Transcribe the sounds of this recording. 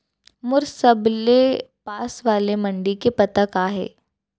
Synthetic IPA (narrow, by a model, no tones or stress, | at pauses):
mʊɾsɐblepaːsʋaːlemɐ̃ɳɖikepɐt̪akaːɦḛː